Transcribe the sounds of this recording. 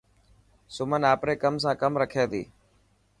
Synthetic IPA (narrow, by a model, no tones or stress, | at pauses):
sʊmənaːpɾeːkəms̬ãːkəmɾəkʰeːd̪iː